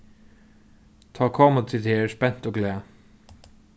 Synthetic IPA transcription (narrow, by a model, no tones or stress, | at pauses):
t̪ʰɑːkʰɑːmət̪ʰɪd̪heːspɛn̥t̪oːɡlæː